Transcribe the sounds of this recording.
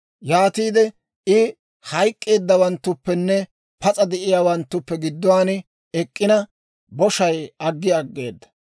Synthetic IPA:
jaːt̪iːd̪ɛ | ɪ | hɐjkʼːe̞ːd̪ːɐwɐnt̪ːʊpːɛnːɛ | pɐt͡sʼɐd̪ɛʔɪjaːwɐnt̪ːʊpːɛɡɪd̪ːɔwaːnɪ | ɛkʼːɪnɐ | bɔʃɐjɐɡːɪɐɡːe̞ːd̪ːɐ̥

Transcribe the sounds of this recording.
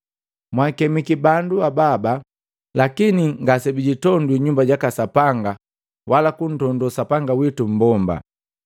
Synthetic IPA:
mwakɛmikibanduababa | lakiniŋɡasɛbiɟitɔndwiɲumbaɟakasapaŋɡa | wʔalakun̩tɔndɔsapaŋɡawitum̩bɔmba̰

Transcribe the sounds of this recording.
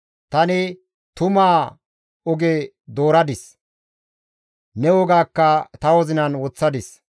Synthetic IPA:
t̪ɐnɪ | t̪ʊmaː | ɔɡɛ | d̪o̞ːɾɐd̪ɪs | nɛwɔɡaːkːɐt̪ɐwɔzɪnɐnwɔt͡sːɐd̪ɪs

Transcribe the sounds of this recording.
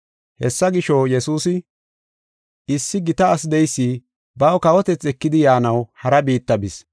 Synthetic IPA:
hɛsːɐɡɪʃɔjɛsuːsɪ | ɪsːɪɡɪt̪ɐːsd̪ɛjsːi | bɐwkɐwɔt̪ɛt͡sːɛkːɪd̪ɪjaːnɐwhɐɾɐbiːt̪ːɐbɪs

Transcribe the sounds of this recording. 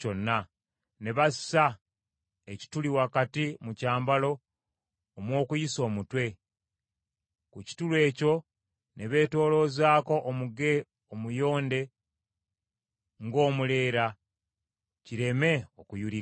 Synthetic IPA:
o̞nːa | ne̞βasa | eci̥tuliwakatimucaːmbalo̞ː | mwo̞ːkujiso̞ːmutwe̞ | kuci̥tulwe̞ːco̞ | ne̞βe̞ːto̞ːlo̞ːzaːko̞ʔːmuɡe̞ | omujo̞ːnde̞ | ŋɡo̞ːmule̞ːɾa | ciɾe̞me̞okujuɾi

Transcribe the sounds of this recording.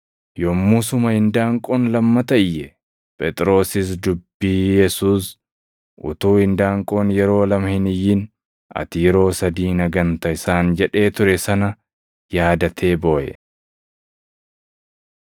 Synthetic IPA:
jomːuːsʊmɐhɪnd̪aːŋkʼoːnlɐmːɐt̪ɐɪjːɛ | pʼɛt̪ʼɾo̞ːsɪs̬d̪ʊbːiːjɛsuːs | ʔʊ̰t̪uːhɪnd̪aːŋkʼoːnjɛɾo̞ːlɐmɐhɪnɪjːɪn | ʔɐ̰t̪ɪjɛɾo̞ːsɐd̪iːnɐɡɐnt̪ɐɪsaːnd͡ʒɛᶑe̞ːt̪ʊɾɛsɐnɐ | jaːd̪ɐt̪ʰe̞ːbo̞ːʔɛ̰

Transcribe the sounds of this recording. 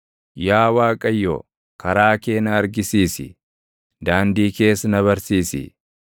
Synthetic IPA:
jaːwaːkʼɐjːo̰ː | kɐɾaːke̞ːnɐːɾɡɪsiːsɪ̰ | d̪aːnd̪iːke̞ːsɐnɐβɐɾsiːsɪ̰

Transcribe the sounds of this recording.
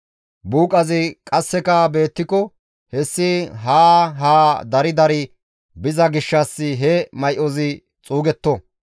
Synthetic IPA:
buːkʼɐzɪkʼɐsːɛkɐbe̞ːt̪ːɪkɔ | hɛsːɪɦaːɦaːd̪ɐɾɪd̪ɐɾɪ | bɪzɐɡɪʃːɐsːɪɦɛmɐjʔɔzɪ | t͡sʼuːɡɛt̪ːɔ

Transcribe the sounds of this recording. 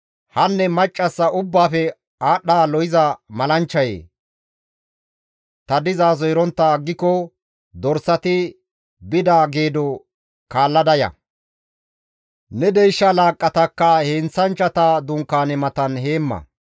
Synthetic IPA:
hɐnːɛmɐt͡ʃʼːɐsːɐʔʊbːaːfɛ | aːɗaːlɔjɪzɐmɐlɐnt͡ʃːɐjḛː | t̪ɐd̪ɪzaːzɔjɾɔnt̪ːaɡːɪkːɔ | d̪ɔɾsɐt̪ɪ | bɪd̪aːɡeːd̪ɔ | kaːlːɐd̪ɐjɐ̰ | nɛd̪ɛjʃːɐlaːkʼːɐt̪ɐkːɐheːnt͡sːɐnt͡ʃːɐt̪ad̪ʊŋkːaːnɛmɐt̪ɐnɦe̞ːmːɐ̰

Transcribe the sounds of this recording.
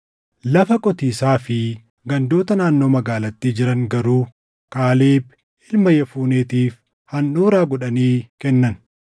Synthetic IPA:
lɐfɐkʼɔt̪iːsaːfɪ | ɡɐnd̪o̞ːt̪ɐnaːnːo̞ːmɐɡaːlɐt̪ːiːd͡ʒɪɾɐŋɡɐɾuː | kaːleːb | ʔɪlmɐjɐfuːneːt̪iːf | hɐnːuːɾaːɡɔᶑɐniːkɛnːɐn

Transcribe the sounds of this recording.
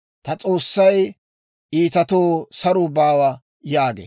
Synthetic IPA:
t̪ɐt͡sʼo̞ːsːɐj | ʔiːt̪ɐt̪oːsɐɾʊbaːwɐ | jaːɡḛ

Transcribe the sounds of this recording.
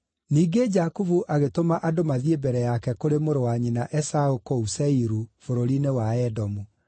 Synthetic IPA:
niːɡed͡ʒakuvuʔaɣetomaʔadomaðiebɛɾɛjakɛkoɾemoɾowaɲinaʔɛsaokousɛiɾufoɾoɾinewaɛdɔmu

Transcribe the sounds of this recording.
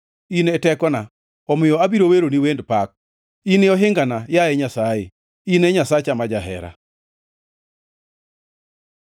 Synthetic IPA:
inɛtɛkɔna | ɔmɪjɔabiɾoweɾoniwendpak̚ | inɪɔɦɪŋɡanajaɛɲasaje | inɛɲasat͡ʃamad͡ʒaɦɛ̰ɾa̰

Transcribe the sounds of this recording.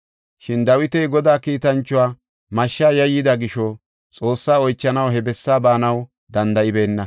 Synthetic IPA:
ʃɪnd̪ɐwɪt̪ɛjɡɔd̪aːkiːt̪ɐnt͡ʃːʊwaː | mɐʃːaːjɐjːɪd̪ɐɡɪʃɔ | t͡sʼo̞ːsːaːɔjt͡ʃːɐnɐwɦɛbɛsːaːbaːnɐw | d̪ɐnd̪ɐʔɪbe̞ːnːɐ

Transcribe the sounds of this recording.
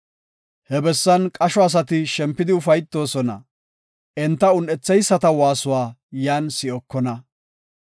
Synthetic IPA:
hɛbɛsːɐnkʼɐʃɔɐs̬ɐt̪ɪʃɛmpːɪd̪ɪʊfɐjt̪ːo̞ːsɔnɐ̰ | ʔɛnt̪ːɐʊnɛt͡sːɛjsːɐt̪ɐwaːsʊwaːjaːnsɪɔkːɔnɐ

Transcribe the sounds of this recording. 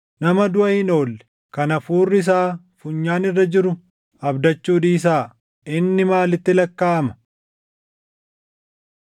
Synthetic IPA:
nɐmɐd̪ʊʔɐhɪno̞ːlːɛ̥ | kɐnɐfuːrːɪs̬aː | fʊɲːaːnɪrːɐd͡ʒɪɾʊ | ɐbd̪ɐt͡ʃːuːᶑ̪iːs̬aː | ɪnːɪmaːlɪt̪ːɪlɐkːaːɐmɐ̥

